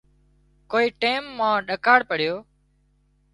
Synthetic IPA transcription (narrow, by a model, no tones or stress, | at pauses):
koːiːʈeːmːãːɗəkaːɽpəɽɪjoː